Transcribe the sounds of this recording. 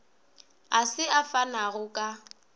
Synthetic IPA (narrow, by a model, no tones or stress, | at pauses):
asɪafanaɣʊkʼa